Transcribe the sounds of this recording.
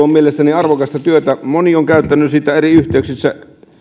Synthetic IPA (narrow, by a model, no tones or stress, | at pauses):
ommielest̪æniɑrʋokɑst̪ɑt̪yøt̪æmonioŋkæˑyt̪ːænːˑysiːt̪ːæeriyht̪ˑeˑyksist̪ːæ